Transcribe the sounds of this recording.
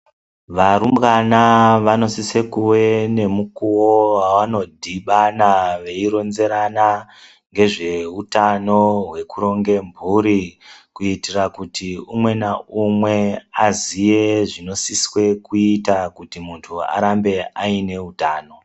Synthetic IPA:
ʋaɾumbɣanaʋano̞sise̞kuwe̞ne̞mukuwowawano̞dʱiɓanaʋe̞iɾo̞nze̞ɾana | ŋɡe̞ʐe̞utano̞ɦwe̞kuɾo̞ŋɡe̞mbʱuɾikuitirakutʰiumwe̞naumwe̞azijeʐino̞siswe̞kuitakutimuntʰua̰ɾambe̞aine̞utaːno̞

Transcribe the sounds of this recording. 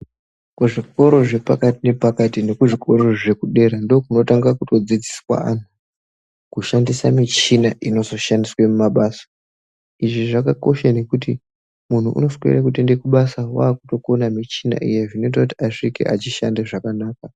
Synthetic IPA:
kuʐiko̞ɾo̞ʐe̞pakatine̞pakatine̞kuʐiko̞ɾo̞ʐe̞kuɗe̞ɾando̞ːkuno̞taŋɡakuto̞d͡zid͡ziswa̰a̰n̤u | kuʃandisamit͡ʃinaʔino̞zo̞ʃandiswe̞mumaɓaːsḁ | iʐiʐakako̞̰ʃane̞kuti | mun̤uʔṵno̞skwḛrakutinde̞kuɓasawaːkuto̞ko̞namit͡ʃina̰ʔḭje̞ʐino̞it̬akuti̥aʂikḛʔat͡ʃiʃa̰ndeʐakanaːka

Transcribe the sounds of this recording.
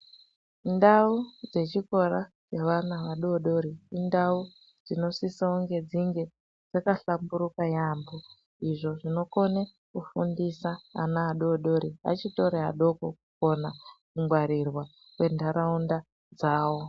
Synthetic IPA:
ndaud͡ze̞t͡ʃiko̞ɾa | t͡ʃeʋanaʋaɗooɗo̞ɾiːndau | d͡zino̞sisauŋɡe̞d͡ziŋɡe̞ | d͡zakaɬambuɾukajaːmbo | iʐo̞ʐino̞ko̞ne | kufundisa̰ːnaːɗoɗo̞ɾia̰t͡ʃito̞ɾeɦa̰ɗo̞kokuko̞nakuŋɡwaɾirwa | we̞ndaɾaunda | d͡zaːwo̞

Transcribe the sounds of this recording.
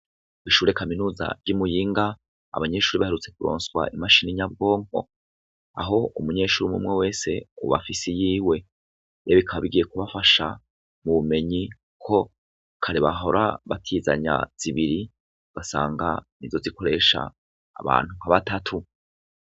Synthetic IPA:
iʃuːɾekaminuːza̰vɟumujiːŋɡa | a̰βaɲe̞ːʃuːɾiβaheɾut͡se̞kuɾo̰ːnswa̰ʔimaʃiniɲab̚ɡo̞ːŋo̞̰ | a̰ɦo̞umuɲe̞ːʃuːɾimṵmŋewe̞ːse̞ṵβa̰fisijiːwe̞ | jeβikʰaβiɡijekuβafaʃa̰ | muβume̞ɲi | kʰo̞ | kʰaɾiβaɦo̞ɾa̰βatʰiza̰ɲa̰z̥iβiɾi | ɡ̥asa̰ːŋɡanizo̞ziko̞ɾe̞ʃa̰ː | βa̰ːn̥uŋhaβatatʰu

